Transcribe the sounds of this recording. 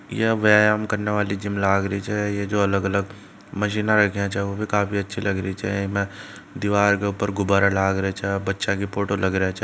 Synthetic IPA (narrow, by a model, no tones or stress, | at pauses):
jeʋaːjaːmkɐɾneʋaːlid͡ʒɪmlaːɡɾəit͡ʃʰɛjed͡ʒoːɐləɡɐləɡ | mɐʃiːnaɾɐkʰjat͡ʃʰɛobʱikaːfiɐtːʃʰilɐɡɾəit͡ʃʰmɛ̃ | d̪ɪʋaːɾkeʊpəɾɡʊbaːɾalaːɡɾɐet͡ʃʰːbɐtːʃakipoːʈolɐɡɾəɦet͡ʃʰː